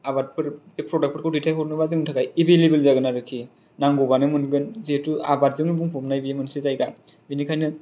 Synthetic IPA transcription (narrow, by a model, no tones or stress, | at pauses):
abat̚pʰɯɾ | epʰɾɔdak̚pʰɯɾkʰɔwditʰajɦɔɾnɯbazɯŋnɯtʰakajibelebelzaɡɯnaɾɯkʰi | naŋɡobanɯmɯnɡɯnzetuabat̚zɯŋnɯbuŋpʰɔmnajbijemɯnsɯzajɡa | binikʰajnɯ